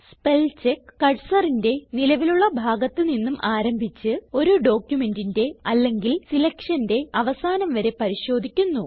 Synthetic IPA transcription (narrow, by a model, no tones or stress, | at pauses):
spe̞lt͡ɕekːɐɻsɐrinde̞nilɐʋiluɭːɐbʱaːɡɐt̪ːɨninːumʔaːɾɐmbʱit͡ɕːɨo̞ɾuɖo̞ːkʲjume̞ndinde̞ɐlːe̞ŋɡilsilɐkʂɐnde̞ɐʋɐsaːnɐmʋɐɾe̞pɐɾiɕo̞ːd̪ʱikʲːunːu